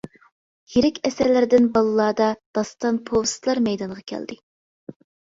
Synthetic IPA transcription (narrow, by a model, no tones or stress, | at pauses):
jeɾɪkʲɛsæɾlɪɾɪd̪ɪnbɑlˠɨlˠɑːd̪ɑd̪̥ɑst̪ɑnpʰowsɨ̥t̪lˠɑɾmɛjd̪ɑŋʁɑkʲʰɛ̰ld̪ɪ